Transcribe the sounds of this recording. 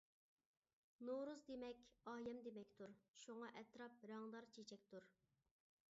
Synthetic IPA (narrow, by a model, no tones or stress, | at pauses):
noɾuzd̪emɛkʲɑːjɛmd̪emɛkʲt̪ʰuɾʃuŋɑʔɛt̪ɾɑp̚ɾɑŋd̪ɑɾt͡ʃʰet͡ʃʰɛk̚ʲt̪ʰuɾ